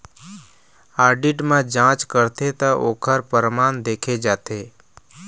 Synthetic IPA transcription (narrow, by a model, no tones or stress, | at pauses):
aːɾɖɪʈmẽd͡ʒãːt͡ʃkəɾt̪ʰet̪aʔoːkʰəɾpəɾmaːnd̪eːkʰed͡ʒaːt̪eː